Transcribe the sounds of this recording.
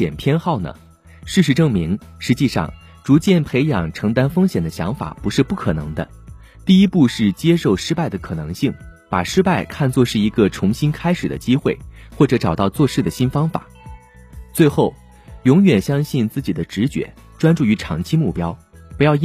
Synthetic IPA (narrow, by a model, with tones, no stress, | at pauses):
ɛ˨˩npʰjɛ˥nxɑ˥˩ʊnə̰˩ | ʂɻ̩˥˩ʂɻ̩˧˥ʈ͡ʂɤ˥˩ŋmi˧˥ŋʂɻ̩˧˥t͡ɕi˥˧ʂɑ̰˥˧ŋ | ʈ͡ʂu˧˥t͡ɕjɛ˥˩npʰe˧˥ɪjɑ˨˩ŋʈ͡ʂʰɤ˧˥ŋt̪a˥nfɤ˥ŋɕjɛ˨˩nd̪ə˦ɕjɑ̰˧˥ŋfa̰˨˩˦pu˧˥ʂɻ̩˥˧pu˥˩kʰɤ˨˩nɤ̰˧˥ŋd̪ə̰˧ | t̪i˥˩i˥pu˥˧ʂɻ̩˥˩t͡ɕjɛ˥ʂo˥˩ʊʂɻ̩˥pa˥˩ɪd̪ə˩kʰɤ˨˩nɤ˧˥ŋɕi˥˩ŋpa̰˨˩ʂɻ̩˥pa˥˩ɪkʰa˥˧nt͡swɔ˥˧ʂɻ̩˥˩i˧˥ɡə˧ʈ͡ʂʰʊ˧˥ŋɕi˥nkʰa˥ɪʂɻ̩˨˩d̪ə̰˦t͡ɕi˥xwe˥˩ɪxwɔ˥˩ʈ͡ʂɤ˧˥ʈ͡ʂɑ˨˩ʊt̪ɑ˥˧ʊt͡swɔ˥˧ʂɻ̩˥˩d̪ə˩ɕi˥nfɑ˥ŋfa̰˨˩˦ | t͡swe˥˧ɪxo˥˩ʊ | jʊ˧˥ŋɥɛ˨˩nɕjɑ˥ŋɕi˥˧nt͡sɹ̩˥˩t͡ɕi˨˩d̪ə˦ʈ͡ʂɻ̩˧˥t͡ɕɥɛ̰˧˥ | ʈ͡ʂwa˥nʈ͡ʂu˥˩y˧˥ʈ͡ʂʰɑ˧˥ŋt͡ɕʰi˥mu˥˩pjɑ˥ʊpu˧˥jɑ˥˧ʊ